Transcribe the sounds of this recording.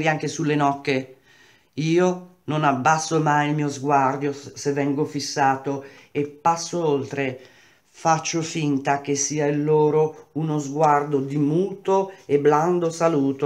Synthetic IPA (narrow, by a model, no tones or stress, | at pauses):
ɾiaŋk̟esulːenɔkːe | iːo | nonabːasːomajilmiːozɡward̪josevːɛŋɡofisːaːt̪oepːasːoolt̪ɾe | fat͡ʃːofint̪ak̟esːiːailːoːɾounozɡward̪od̪imuːt̪oebland̪osaluːt̪o